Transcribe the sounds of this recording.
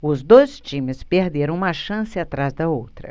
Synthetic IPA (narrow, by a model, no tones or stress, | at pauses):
ʊzd̪ojst͡ʃĩmɪspeɾd̪eɾɐ̃w̃ũmɐʃɐ̃sɪat̪ɾazd̪ɐowt̪ɾɐ̰